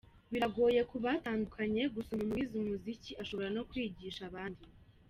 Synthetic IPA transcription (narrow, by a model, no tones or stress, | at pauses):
βiɾaɡo̞ːje̞kuβataːndukʰaɲe̞ɡusomumuizimuziciʔaʃo̞βoɾano̞kwiːɟiʃaβaːndi